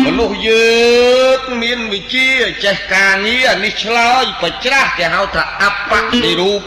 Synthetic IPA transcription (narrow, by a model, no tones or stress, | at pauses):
mɔnuhjəːŋmiənʋɨt͡ɕiəət͡ɕɛhkaːŋiəniht͡ɕʰlaəjprat͡ɕrahk̪ɛɦajt̪ʰaːʔapːaʔtiɾuːp̚